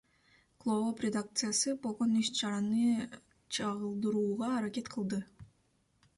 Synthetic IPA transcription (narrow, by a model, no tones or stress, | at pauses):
klˠovoprʲed̪ak̚t̪sɨjasɯbo̞lˠʁo̞nyʃt͡ʃɑɾɑnɯ | t͡ʃʰɑʁɯlˠd̪ɯɾuːʁɑːɾake̞t̪qʰɯlˠd̪ɯ